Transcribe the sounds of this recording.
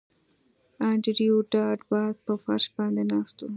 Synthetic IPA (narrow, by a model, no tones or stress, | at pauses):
ãɳʈiɾijuɖaːʈbaːd̪̚pəfɐ̰ɾʃbãːnd̪enaːst̪u